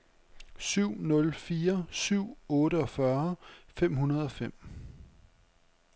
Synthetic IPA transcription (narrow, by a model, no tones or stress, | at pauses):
syʊ̰nɔ̽lfiːɐsyʊ̰ɔ̽ːɾəɒ̽fɶɐfem̰ɦunɐð̞ˠɒ̽fem̰